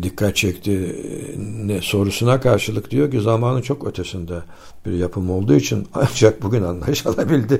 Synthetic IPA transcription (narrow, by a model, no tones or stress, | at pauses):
d̪ikʰːat̪̚t͡ʃʰɛct̪ʰi | nɛso̞ɾusunakʰaɾʃɯlˠɯkd̪ijo̞cizamaːnɯnt͡ʃʰo̞kø̞t̪ʰesind̪ɛ | biɾjapʰɯmo̞lˠd̪uːit͡ʃʰina̰nd͡ʒak̚buɟʲynanlˠa̰jɯʃalˠabilʲd̪ɪ